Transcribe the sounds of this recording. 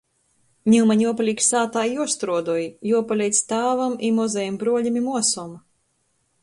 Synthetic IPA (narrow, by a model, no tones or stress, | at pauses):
ɲʲiwmaɲʲuɔpalʲiːksaːt̪aːjuɔst̪ɾuɔd̪uɔjjuɔpalʲɛjt̪st̪aːvamimɔzɛjimbɾuɔlʲimimuɔsɔm